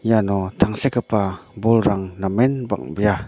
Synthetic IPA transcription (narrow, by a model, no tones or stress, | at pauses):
janɔt̪ʰaŋsekəpabɔlɾaŋnamɛnba̰ŋbija